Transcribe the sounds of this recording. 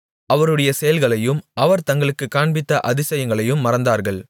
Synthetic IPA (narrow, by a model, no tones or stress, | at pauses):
ɐʋɐɾɯɽɐjɐsɛjɐlɣɐɭɐjɯmʔɐʋɐɾt̪ɐŋɡɐɭɯkːɯkːaːɳbɪt̪ːɐʔɐðɪsɐjɐŋɡɐɭɐjɯmːɐɾɐnd̪aːɾɣɐɭ